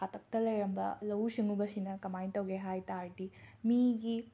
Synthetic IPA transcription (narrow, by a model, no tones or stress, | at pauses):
atʰɐk̚tɐlɐjɾɐmbɐlɐwsiŋubɐsinɐkɐmajtɐwɡeɦajtaɾtimiɡi